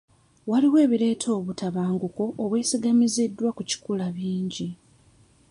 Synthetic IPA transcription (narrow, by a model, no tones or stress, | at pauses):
waliwe̞ːβiɾe̞ːtʰo̞ːβutaβaːŋɡuko̞ʔːβwe̞ːsiɡamizidːwakuci̥kulaβiːɲɟi